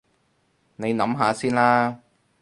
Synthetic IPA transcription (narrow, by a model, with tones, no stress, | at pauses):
ne˨˧jnɐ˨˥mɦaː˨˧siː˥nlaː˥